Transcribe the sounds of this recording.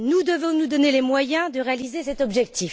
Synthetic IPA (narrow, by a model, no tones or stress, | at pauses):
nud̪əvɔ̃nud̪ɔnelemwajɛ̃d̪əʁealizesɛt̪ɔbʒɛk̚t̪ʰif